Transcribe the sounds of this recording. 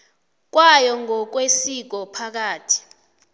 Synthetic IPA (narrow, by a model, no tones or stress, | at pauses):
k̬wajɔŋɔk̬wesik̬ɔpʰak̬aːtʰi̥